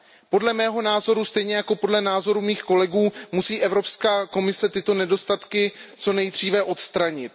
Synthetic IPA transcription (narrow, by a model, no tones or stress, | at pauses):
po̞dlɛmɛːɦo̞naːzo̞ɾust̪ɛjɲɛjako̞po̞dlɛnaːzo̞ɾumiːxko̞lɛɡuːmusiːʔɛvɾo̞pskaːko̞mɪsɛt̪ɪt̪o̞nɛdo̞st̪at̪kɪt͡so̞nɛjd̪r̝iːvɛʔo̞t̪st̪ɾaɲɪt̪̚